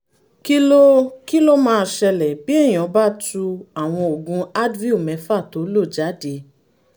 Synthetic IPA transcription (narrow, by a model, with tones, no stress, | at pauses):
ki˦lo˦ki˦lo˦mãː˦˧ʃɛ˧lɛ˨bi˦ɛ˦˨j̃ɔ̃˨˦ba˦tu˧a˨w̃ɔ̃˧o˨ɡũ˨˦a˦dvi˦u˨mɛ̃˨˧˦fa˦˨to˨˦lo˦˨d͡ʒa˨˦de˨˦